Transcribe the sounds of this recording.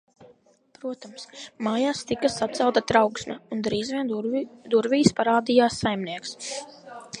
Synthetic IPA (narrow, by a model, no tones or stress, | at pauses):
pɾuɔt̪amsmaːjaːst̪ikasat̪t̪sɛlˠt̪at̪ɾawksnaund̪ɾiːzviɛnd̪uɾvʲiːjspaɾaːd̪ijaːsːajmniɛks